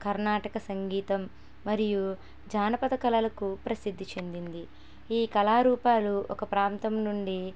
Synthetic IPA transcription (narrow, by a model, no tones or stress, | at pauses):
kɐɾnaːʈɐkɐsɐŋɡiːt̪ɐmː | ɐɾiju | d͡ʒaːnɐpɐd̪ɐkɐlɐlɐkupɾɐsid̪ʱːit͡ʃe̞nd̪ind̪i | iːkɐlaːɾuːpaːluʔɔkɐpɾaːnt̪ɐmnuɳɖi